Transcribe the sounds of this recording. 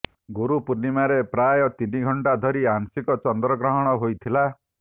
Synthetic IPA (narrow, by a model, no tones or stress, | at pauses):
ɡuɾupunimaɾepɾajɔt̪iniɡʱɔɳʈad̪ʱɔɾiaŋsikɔt͡ʃɔnd̪ɾɔɡɾɔɦɔɽ̃ɔɦojt̪ʰila